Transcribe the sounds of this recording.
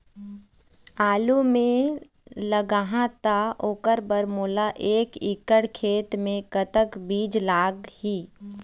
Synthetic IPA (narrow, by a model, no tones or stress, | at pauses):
aːlumẽ | ləɡaːɦãt̪aoːkəɾbəɾmoːlaʔeːkɪkəɽkʰeːt̪mẽkət̪əkbiːd͡ʒlaːɡhiː